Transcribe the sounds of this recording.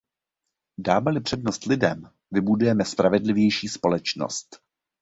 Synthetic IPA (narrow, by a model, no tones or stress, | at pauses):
daːmɛlɪpr̥ɛdno̞st̪lɪdɛm | vɪbudujɛmɛspɾavɛdlɪvjɛjʃiːspo̞lɛt͡ʃno̰st̪